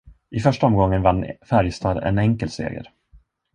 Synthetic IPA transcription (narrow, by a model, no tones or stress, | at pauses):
ʔɪfœʂʈaɔmɡɔŋːənvanːfæɾjst̪ʰɑːd̪ɛ̰nɛŋkəlsḛːɡə̰ɾ